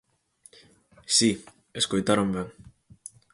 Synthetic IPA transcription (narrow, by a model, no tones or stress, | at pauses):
si | eskojt̪aɾombeŋ